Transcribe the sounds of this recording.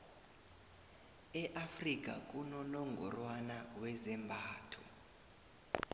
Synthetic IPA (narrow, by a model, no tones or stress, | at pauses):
ɛʔafrik̬ʼa̰k̬ʼunɔnɔŋɡʱɔ̰rwanawɛzɛmbʱaːtʰɔ̰